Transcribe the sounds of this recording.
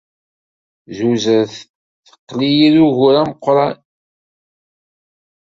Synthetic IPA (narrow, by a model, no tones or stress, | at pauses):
zuzəɾθ | θə̥qːlijiðuʝʊɾæməqːɾˤɑn